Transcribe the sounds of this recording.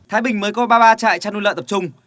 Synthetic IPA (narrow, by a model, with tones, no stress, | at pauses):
t̪ʰaː˨˦jɓï˨˩ŋ̟məː˨˦jkɔ˨˦ɓaː˧ɓaː˧t͡ɕa̰ː˧˨jt͡ɕaː˧nu˧lə̰ː˧˨t̪p̚t͡ɕʊ˧ŋ͡m